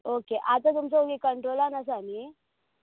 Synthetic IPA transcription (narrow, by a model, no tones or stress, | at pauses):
okeʔat̪at̪ums̬əɦokekəɳʈɾoːlanas̬ami